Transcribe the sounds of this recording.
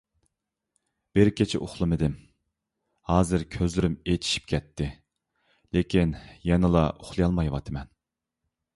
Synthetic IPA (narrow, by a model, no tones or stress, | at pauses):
b̥ɪɾkʲʰet͡ʃʰɛ̰ʔoχlˠɨmɨd̪ɪm | hɑːzɨɾkʲʰøzlyɾymet̪ʰi̥ʃi̥p̚kʲʰɛt̪ʰːɪ | lekʲinjɛnɨlˠɑoχlˠɨjɑlˠmɑjwɑt̪ʰɨmɛn